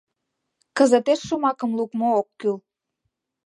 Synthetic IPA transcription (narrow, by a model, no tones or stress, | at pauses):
kəzət̪eʃːomɑkəmlukmookːyl